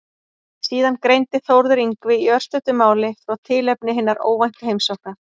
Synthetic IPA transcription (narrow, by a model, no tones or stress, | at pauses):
siːðankɾejnt̪ɪθowɾðʏɾiŋkvɪiœr̥st̪ʏt̪ʏmaːwlɪθɾawt̪ʰɪlɛpnɪɦɪnːaɾo̰ːwvajŋ̥kaɦejmsawhkna